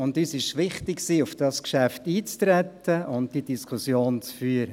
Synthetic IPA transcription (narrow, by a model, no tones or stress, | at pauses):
ʊndyːsɪʃʋɪχtɪksiːʊfd̥ɑskʃæftiːt͡stɾɛtːəʊnd̚d̥id̥iskʰʊsjoːnt͡sfyːəɾə